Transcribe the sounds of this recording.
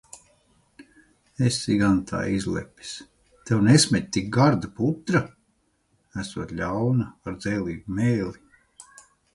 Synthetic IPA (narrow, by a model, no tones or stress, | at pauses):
esiɡant̪ʰa̰ːizlʲɛ̰pʲi̥s | t̪ɛwnesmʲɛt̪̚ʲt̪ik̚ɡaɾd̪aput̪ɾa | æsuɔt̪lʲawnaaɾd̪zɛːlʲˠiːɡumɛːlʲi